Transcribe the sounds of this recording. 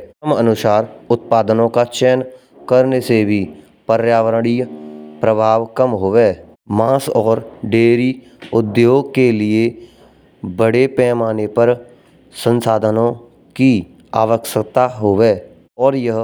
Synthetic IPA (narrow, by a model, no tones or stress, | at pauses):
əmənʊsaːɾʊt̪̚paːd̪nõkat͡ʃɛːn | kəɾnesebʱi | pəɾjaːʋəɾɽ̃ijpɾəbʱaːʋkəmɦoːʋeː | mãːsɔːɾɖeːɾi | ʊd̪joːɡ̚kelie | bəɽepɛːmaːnepəɾ | sə̃nsaːd̪ʱənõ | ki | aːʋəkʃəkt̪aɦoːʋeː | ɔːɾjəɦ